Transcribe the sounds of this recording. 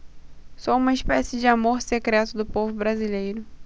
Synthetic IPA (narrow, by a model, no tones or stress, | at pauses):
soũmɐiʃpɛsɪd͡ʒɪamoɾsekɾɛt̪ʊd̪ʊpovʊbɾazilejɾʊ